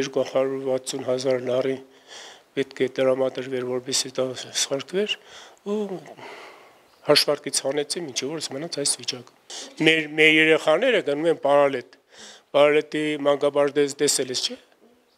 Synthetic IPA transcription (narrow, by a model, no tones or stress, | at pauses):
ɛɾkuhɑɾuɾvɑt͡sʰːunɦɑzɑɾnɑri | pɛt̪kʰɛt̪əɾɑmɑd̪əɾvɛɾvɔɾbɛsid̪ɑsχɑɾkʰvɛɾu | hɑʃvɑɾkit͡sʰhɑnɛt͡sʰimint͡ʃʰɛvɔɾəsmənɑt͡sʰɑjsvit͡ʃɑkə̥mɛɾmɛɾjɛɾɛχɑnɛɾəɡənumɛnpɑɾɑlɛt̪ | pɑɾɑlɛt̪imɑŋɡɑbɑʒd̪ɛzd̪ɛsɛləst͡ʃʰɛ